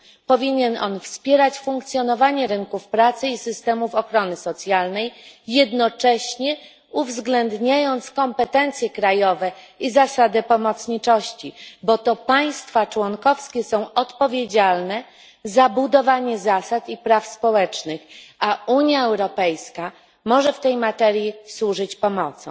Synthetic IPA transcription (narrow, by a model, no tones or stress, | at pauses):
pɔvʲiɲɛnɔnfspʲjɛɾat͡ɕfuŋkt̪sʲjɔnɔvaɲɛɾɘŋkufpɾat̪sɘisɘst̪ɛmufɔxɾɔnɘsɔt̪sʲjalnɛjːɛd̪nɔt͡ʂɛɕɲɛ | uvzɡlɛnd̪ɲajɔnt̪skɔmpɛt̪ɛnt̪sʲjɛkɾajɔvɛ | izasad̪ɛpɔmɔt̪sɲit͡ʂɔɕt͡ɕibɔt̪ɔpaj̃st̪fat͡ʂwɔnkɔfskʲɛsɔ̃w̃ɔt̪pɔvʲjed͡ʑalnɛ | zabud̪ɔvaɲɛzasat̪ipɾafspɔwɛt͡ʂnɘxauɲjaɛwɾɔpɛjska | mɔʐɛft̪ɛjmat̪ɛɾjiswuʐɘt͡ɕpɔmɔt̪sɔ̰̃